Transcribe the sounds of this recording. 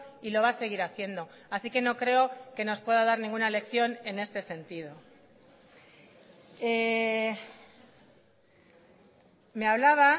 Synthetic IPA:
ilo̞β̞ase̞ɣ̞iɾaθje̞nd̪o̞ | asike̞no̞kɾe̞o̞ke̞no̞spwe̞ðaðaɾnĩŋɡunale̞kθjo̞ne̞ne̞st̪e̞se̞nt̪ið̞o̞ | e | me̞aβlaβa

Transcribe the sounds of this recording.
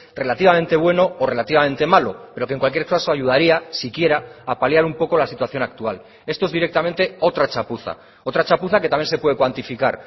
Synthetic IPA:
re̞lat̪iβament̪e̞β̞we̞no̞ore̞lat̪iβamẽ̞nt̪e̞malo̞pe̞ɾo̞keŋkwalk̬jeɾskasoaʝuð̞aɾiasikje̞ɾaːpaljaɾumpo̞kolasit̪waθjo̞nak̚t̪ual | e̞st̪oe̞zðiɾe̞k̚t̪ament̪e̞o̞t̪ɾat͡ʃapuθa̰ | o̞t̪ɾat͡ʃapuθaket̪amjense̞pwe̞ðekwant̪ifikaɾ

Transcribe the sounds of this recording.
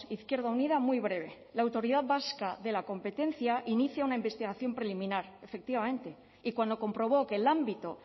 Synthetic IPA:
iθkje̞ɾðauniðamwuijβ̞ɾe̞β̞e̞ | laːwt̪o̞ɾiðaðβaskaðe̞lako̞mpe̞t̪e̞n̟θjaʔiniθjaunaimbe̞st̪iɣaθjo̞mpɾe̞limĩnaɾe̞fe̞k̚t̪iβame̞nt̪e̞ | ikwand̪o̞ko̞mpɾo̞β̞o̞kelambit̪o̞

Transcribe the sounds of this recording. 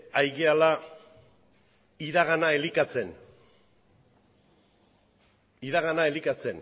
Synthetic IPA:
ajɣeala | iðaɣanaelikat͡se̞n | iðaɣanae̞likat͡se̞n

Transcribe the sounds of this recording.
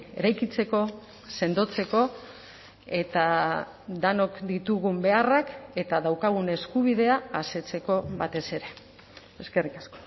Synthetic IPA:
e̞̰ɾajkit͡se̞ko̞ | se̞nd̪o̞t͡se̞ko̞ | e̞t̪a | d̪ano̞kd̪it̪uɣumbe̞arake̞t̪aðawkaɣ̞une̞skuβiðe̞aːse̞t͡se̞ko̞βat̪e̞se̞ɾe̞ | eske̞rikasko̥

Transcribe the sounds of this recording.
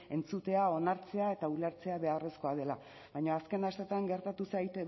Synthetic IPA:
e̞nt͡sut̪e̞ao̞naɾt͡se̞ae̞t̪auleɾt͡se̞aβe̞are̞sko̞að̞e̞la | βajɲoaske̞nast̪et̪aŋɡe̞ɾt̪at̪usajt̪e

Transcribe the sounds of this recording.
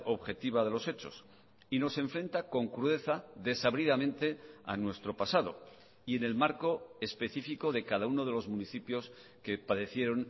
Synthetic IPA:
o̞βxe̞t̪iβ̞aðe̞lo̞se̞t͡ʃo̞̰s | ino̞se̞ɱfɾe̞nt̪ako̞ŋkɾuðe̞θaðe̞saβɾiðamẽ̞nt̪e̞a̰nwe̞st̪ɾo̞pasað̞o̞̰ | ie̞ne̞lmaɾko̞espe̞θifiko̞ðe̞kaðauno̞ð̞e̞lo̞zmuniθipjo̞s | ke̞paðe̞θje̞ɾo̞n

